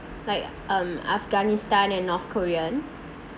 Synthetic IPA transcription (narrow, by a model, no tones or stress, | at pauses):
laɪk | ʌ̃ma̰fɡanistãnɛ̃nːɔθkʰoɹiə̃n